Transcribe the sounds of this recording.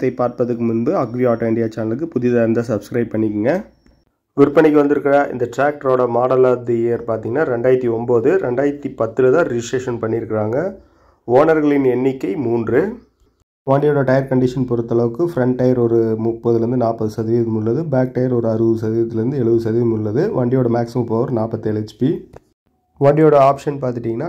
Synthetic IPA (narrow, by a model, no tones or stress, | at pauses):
t̪ːɐɪpaːɾpɐðɯkːɯmʊnbɯɐɡɾiaːʈoɪɳɖɪjaːt͡ʃaːnɐlɯkːɯpʊðɪðaːɪɾɯnd̪asɐbskɾɐɪb̚pːɐɳːɪkːɯŋɡɐ | ʋɪɾɯpːɐɳɪkːɯʋɐnd̪ɯɾɯkːɪɾaʔɪ̰nd̪ɐʈɾaːk̚ʈɐɾoːɽɐmaːɽɐlaːd̪ieːɐɾpaːɾt̪iŋɡɐnːaːɾɛɳɖaːjɾt̪ːiɔmboːðɯɾɛɳɖaːjɐɾt̪ːipɐt̪ːɯlɐðãːɾɪd͡ʒɪsʈɾeːʂɐnpɐɳːɪɾɯkːɪɾaːŋɡɐ | oːnɐɾɣɐɭɪnɛnːɪkːɐɪmuːndrɯ | ʋɐɳɖɪjoːɽɐʈɐjɐɾkɐɳɖɪʂɐnpɔɾɯt̪ːɐɭɐʋɯkːɯfɾɐɳʈːɐjɐɾɔɾɯmʊpːɐðɯlɾɯnd̪ɯnaːpːɐðɯsɐðɪɐðmʊɭːɐðɯbaːk̚ʈɐjɐɾɔɾɯɐɾɯʋɯsɐðiɐt̪ːɪlɐɾɯnd̪ɯɛɭɯʋɯsɐðɪmʊɭːɐðɯʋɐɳɖɪjoːɽɐmaːksɪmɐ̃mpoːʋɐɾnaːpɐt̪ːɯɛɭɛt͡ʃːpi | ʋɐɳɖɪjoːɽɐaːpʂɐnpaːɾt̪ɪʈːiːŋɡɐnːaː